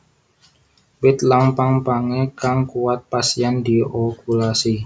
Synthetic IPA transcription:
wɪt̪laŋpaŋpaŋɛkaŋkuwat̪̚pasiand̪iokulasi

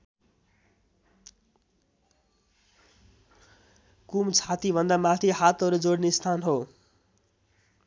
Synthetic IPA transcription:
kumt͡sʰat̪ibʱʌnd̪amat̪ʰihat̪ʌɾud͡zoɽnest̪ʰanɦo

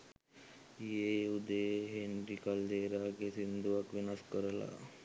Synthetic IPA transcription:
ijeud̪ejɦenɾikald̪eːɾaːɡesind̪uʋakʋinaskəɾəla̰

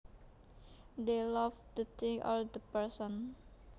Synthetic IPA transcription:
d̪elavd̪ət̪ʰɪ̃ŋɔ̰ld̪əpəɹsɔ̃n

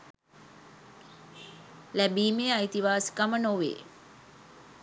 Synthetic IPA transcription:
læbiːmeait̪iʋaːskamənoʋḛː

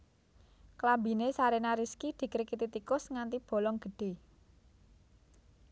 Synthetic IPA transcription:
klabi̤nesaɾenaɾiskid̪̥i̤kɾekit̪it̪ikʊsŋant̪ib̥o̤lɔŋɡ̥ə̤ɖ̥e̤

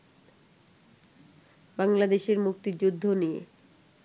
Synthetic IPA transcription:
baŋlad̪eʃeɾmuk̚t̪id͡ʑud̪ʱːonijḛ

